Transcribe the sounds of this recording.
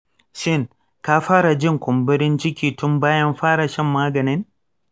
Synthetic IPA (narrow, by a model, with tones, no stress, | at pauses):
ʃɪ˦˨ŋ | ka˦ɸaː˦ɽa˨d͡ʒɪ˦ŋkʷʊ˨mbɪ˦ɾɪ˦nt͡ʃɪ˦kʲiː˨tʊ˦mbaː˦jɐ˦mɸaː˦ɽa˨ʃɛ˦mːaː˦ɡɐ˨nɪ˦n